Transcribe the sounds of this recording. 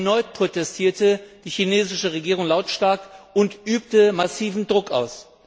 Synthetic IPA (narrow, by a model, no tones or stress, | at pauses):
nɔʏtpʁ̥otɛstʰiːɐtəd̥iːçineːzɪʃəʁ̞eɡiːʁʊŋlaʊtʃtaɐkʊntʔyːp̚təmasiːvn̩dʁʊkʔa̰ʊs